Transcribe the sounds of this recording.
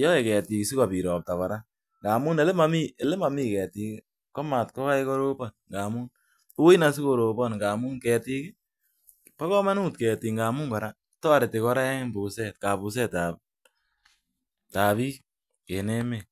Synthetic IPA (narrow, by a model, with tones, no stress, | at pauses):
jɔ˦e˨kɛ˨ti˨ksi˦ka˨pi˨ɾɔː˨p̚ta˨βa˨ɾa˦ | ŋɡaː˨mu˦ne˨˦le˦ma˦mi˦e˨le˦ma˨miː˦kɛː˨ti˨kɪ | kɔ˦ma˨tkɔ˦ka˦eko˦ɾo˦pɔnŋɡa˨mu˦n | o˦i˦na˦s̬i˦ko˨ɾo˨bɔ˦nŋɡaː˨mʊ˦ŋkɛ˨ti˧kɪ˦ | pa˦kɔ˦ma˦nu˦tkɛː˨ti˨ŋɡa˨mu˦ŋɡɔ˨ɾa˦ | tɔ˦˨ɾe˨te˨kɔ˦ɾa˦ɛ˦ŋɪ˦mbu˨sɛ˨tka˨pu˨s̬ɛ˦ta˨ | ta˨βi˦ | ke˨ne˦me˨